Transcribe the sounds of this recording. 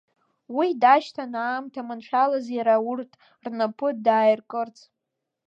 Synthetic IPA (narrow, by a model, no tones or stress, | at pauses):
widaʃtʰanaːmtʰamɨnʂʷᶣalazjaɾaurtʼ | rnɨpʰɨdaːjrkʼɨrt͡sʰʼ